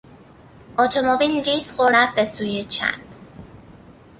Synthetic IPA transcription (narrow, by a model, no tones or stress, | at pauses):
ʔɔt̪ʰomobilɾiːsxoɾɾæfbesuːjet͡ʃʰæ̰nb